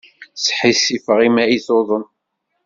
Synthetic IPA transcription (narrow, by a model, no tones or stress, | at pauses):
sħisifəʁimæiθoðˤən